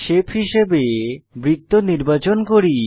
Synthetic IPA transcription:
ʃepʰhiʃebebɾit̪ːoniɾbat͡ɕonkoɾi

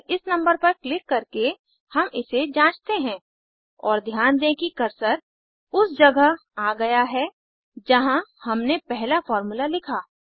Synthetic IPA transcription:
ɪsnɐ̃mbəɾpɐɾklɪkːɐɾke | hɐmɪsed͡ʒãːt͡ʃt̪eɦɛ̃ː | ɔːɾd̪ʱjaːnd̪ẽkikɐɾsəɾ | ʊsd͡ʒɐɡə | aːɡɐjaɦɛ | d͡ʒɐɦãhɐmnepɛɦlafɔːɾmulalɪkʰaː

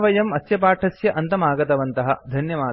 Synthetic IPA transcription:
ʋɐjɐmɐsjɐpaːʈʰɐsjɐʔɐnt̪ɐmaːɡɐt̪ɐʋɐnt̪ɐɦɐ̰d̪ʱɐnjɐʋaː

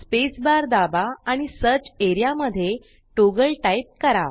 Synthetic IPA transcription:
spesbaɾd̪abaːɽ̃isəɾt͡ɕeɾijaməd̪ʱːje | ʈoɡəɭʈaip̚kəɾa

